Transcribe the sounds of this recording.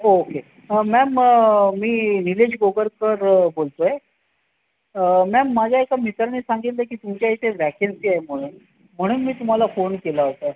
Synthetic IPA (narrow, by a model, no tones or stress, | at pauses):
oːke | əːɛməmiːniled͡ʑɡoɡəɾkəɾbolt̪oe | əmɛmːad͡ʑʱjaekamit̪ɾniːsaŋɡit̪ləkiːt̪umt͡ɕjaɦit̪ʰeʋækensiːaem̤əɽ̃uːn | m̤əɽ̃uːnmiːt̪um̤alafonkelaɦot̪a